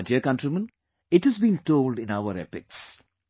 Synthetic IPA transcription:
diəkʌ̃nʈɾimə̃n | ɪʈhəzbĩːnʈoːlɖɪ̃naʊəɾḛpɪ̰ks

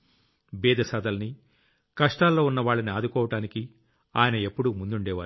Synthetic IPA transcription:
bɛːd̪ɐsaːd̪ɐlɐni | kɐʂʈaːlːo̞ːunːɐʋaːɭːɐniaːd̪ukɔːʋɐʈaːniki | aːjɐnɐe̞pːuɽumund̪uɳɖɛːʋaːɾu

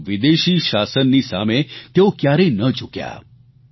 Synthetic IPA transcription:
ʋid̪eʃiʃasənːisa̰met̪eokjaɾenəd͡ʒukja̰

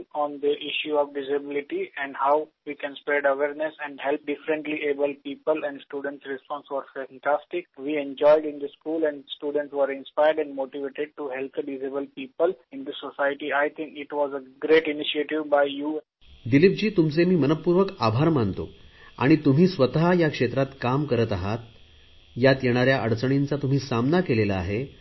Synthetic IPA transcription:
ɔ̃ːnd̪əʔɪʃjuɔːʋɖɪzəbɪlɪʈiɛ̃ɳɖhaʊʋiːkɛ̃nspɾeɖəʋeːɾnesɛ̃ɳɖɦɛlp̚ɖɪfɾə̃ɳʈliʔeːbəlpiːpəlɛ̃ɳɖsʈuːɖə̃ɳʈsɾɛspɔ̃ːnsʋɔɾfẽŋkɾasʈɪkʋiːẽɲd͡ʒɔɪɖɪ̃nd̪əskuːlɛ̃ɳɖsʈuːɖə̃ɳʈsʋəɾɪ̃nspaɪəɾɖɛ̃ɳɖmoːʈiʋeʈeɖ̚ʈuɦɛlp̚əɖizebəlpiːpəlɪ̃nd̪əsosajʈiajt̪ʰĩŋkɪʈʋɔːzəɡɾeʈɪniʃieʈiʋbaɪjuː | d̪ilip̚d͡ʑiːt̪umt͡semiːmənəppːuɾʋəkabʱaɾmant̪o̰a̰ɽ̃it̪um̤iːsʋət̪aɦjakʂet̪ɾat̪kamkəɾət̪aɦat̪ | jat̪jeɽ̃aɾjaʔəɽt͡səɽ̃int͡sat̪um̤iːsamnakelelaːɦe

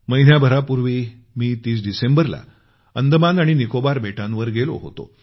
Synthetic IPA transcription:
məjn̤jabʱəɾapuɾʋiː | miːt̪iːs̬ɖisembəɾla̰ | ənd̪ʱəmanaɽ̃inikobaɾbeʈãnʋəɾɡelo̰ɦo̰t̪o̰

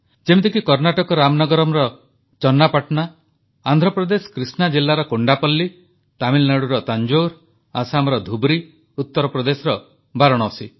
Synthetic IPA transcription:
d͡ʒemt̪ekikɔɾnaʈɔkɔɾamnɔɡɔɾɔmɾɔ | t͡ʃɔnːapaʈna | and̪ʱɾɔpɾɔd̪esɔ̥kɾisnad͡ʒilːaɾɔkoɳɖapɔlːi | t̪amilnaɽuɾɔt̪and͡ʒoɾ | asamɾɔd̪ʱubɾi | ut̪ːɔɾɔpɾɔd̪esɔɾɔ | baɾɔɽ̃ɔːsi

